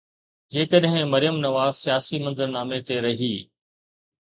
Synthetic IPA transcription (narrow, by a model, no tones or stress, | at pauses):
d͡ʑeːkəɗɦɪ̃mɐɾɪjəmnɐʋaːzsijaːsimɐ̃nd̪əɾnaːmet̪eɾɐɦiː